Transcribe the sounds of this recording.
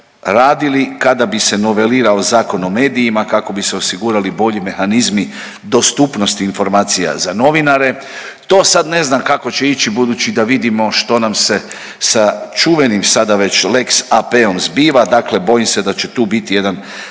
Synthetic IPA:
ɾaːd̪ilikad̪abise̞no̞ʋe̞liːɾaozaːko̞no̞me̞ːd̪ijːmakako̞bise̞osiɡuːɾalibo̞ʎime̞xanizmi | d̪o̞st̪upno̞st̪iːnfo̞ɾmaːt̪sija̰zano̞ʋinaɾe̞ | t̪o̞ːsad̪ne̞znamkako̞t͡ɕe̞it͡ɕibud̪uːt͡ɕid̪aʋid̪imo̞ʃt̪o̞namse̞ | sat͡ʃuʋe̞nimsad̪aʋe̞t͡ɕle̞ksapeo̞mzbiːʋad̪aklebo̞jimse̞d̪at͡ɕe̞t̪uːbit̪ije̞d̪an

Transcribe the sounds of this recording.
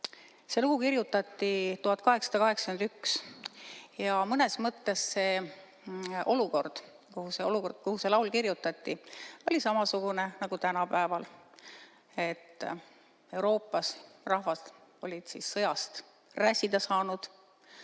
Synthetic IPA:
seluɡ̥ukirjut̪ːˑɑt̪ːit̪uɦɑt̪ːˑkɑɦe̞ksɑ̥d̪ɑkɑɦe̞ksɑkyend̪yks | jɑmɤne̞smɤt̪ːe̞sse̞ː | ʔo̞luko̞rd̪̥ | kuhuseoluko̞rd̪̥̚kuhuse̞lɑwlkirjut̪ːɑt̪ːio̞lʲisɑmɑsuɡ̥unenɑɡ̥ut̪ænɑpæevɑl | e̞t̪ː | e̞wɾo̞ːpːˑɑsrɑɦvɑt̪o̞lʲid̪̥sisːɤjɑst̪ | ræsʲid̪̥ɑsɑːnud̪̥

